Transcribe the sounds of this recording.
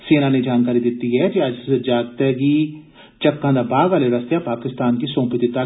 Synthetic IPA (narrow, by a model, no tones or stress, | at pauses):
seːnaned͡ʒaːnkaːɾid̪ɪt̪ːiɦɛd͡ʒiad͡ʒsed͡ʒaːɡt̪ɛki | t͡ʃɐkːãnd̪abaːɡʋaːleɾɐst̪japaːkɪst̪aːnkisõːpɪt̪it̪ɐ